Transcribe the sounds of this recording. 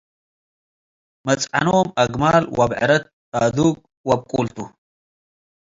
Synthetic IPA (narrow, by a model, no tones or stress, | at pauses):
mɐt͡sʼʕa̰noːmɐɡmaːlwɐbʕ̰ɾɐt̪̚baːd̪uːk | wɐb̚kʼuːlt̪u